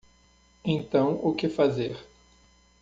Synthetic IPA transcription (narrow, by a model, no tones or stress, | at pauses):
ẽt̪ɐ̃w̃ʊkɪfazeɾ